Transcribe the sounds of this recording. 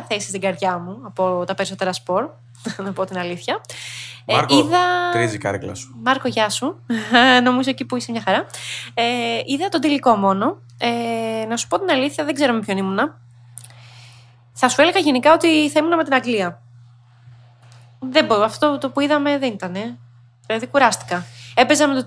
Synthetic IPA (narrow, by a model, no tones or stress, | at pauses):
ɐθe̞si̥st̪iɡɐɾʝɐmuɐpo̞t̪ɐpe̞ɾiso̞t̪e̞ɾɐspo̞ɾ | nɐpo̞t̪inɐliθçɐ | iðɐɾizikɐ̰ɾiklɐ̰su̥mɐɾkoʝɐsu | no̞mizo̞e̞cipuisemɲɐxɐɾɐeiðɐt̪od̪iliko̞mo̞no̞ | enɐsu̥po̞t̪inɐliθçɐðeɡze̞ɾo̞me̞pço̞nimunɐ | θɐsue̞le̞ɣɐʝe̞nikɐo̞t̪iθɐimunɐme̞t̪inɐɡliɐ | ðeboɐft̪ot̪ot̪opuiðɐme̞ðenit̪ɐne̞ | ðilɐðikuɾɐst̪i̥kɐe̞pe̞zɐmet̪o